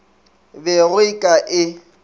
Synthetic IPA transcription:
bɛɣʊikʼaʔɪ

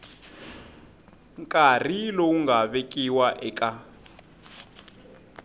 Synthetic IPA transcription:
ŋkʼar̤ilouŋɡaβekʼiwaʔɛkʼa

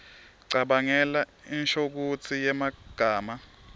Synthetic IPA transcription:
ǀaɓaŋɛlainʃok̬ut͡sʰijɛmaɡ̥ʱaːma

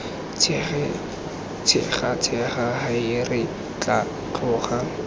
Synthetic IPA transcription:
t͡sʰɪ̰χat͡sʰɛχahaɪrɪ | t͡ɬʼa | t͡ɬʰʊːχa

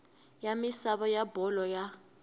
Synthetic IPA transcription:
jamisaɓɔjabɔlɔja

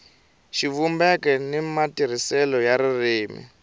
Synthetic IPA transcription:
ʃivumbɛkɛnimatiɾ̤isɛlɔjaɾiriːmḭ

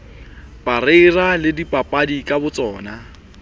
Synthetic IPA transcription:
pʼarɪːralɪdipʼapʼadikʼabʊt͡sʼɔːna

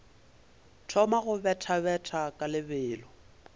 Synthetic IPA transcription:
tʰɔmaɣʊbɛtʰabɛtʰakʼalɪbɪːlɔ

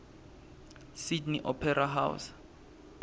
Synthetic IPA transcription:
sidniʔɔpʰɛraɦa̰w̰s

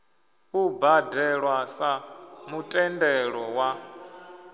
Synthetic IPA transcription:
ubadɛɺwasamutʼɛndɛɺɔwa

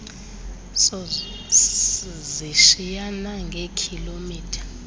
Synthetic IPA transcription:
sɔ | ziʃijanaŋɡʱekʰilomiːtʰḁ

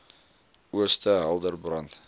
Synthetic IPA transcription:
wɵst̪æɑlˠd̪əɾbɾɑnt̪

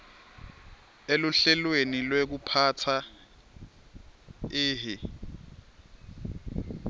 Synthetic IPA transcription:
eluɬɛlwenilwek̬upʰatʰa | ɪːɦi

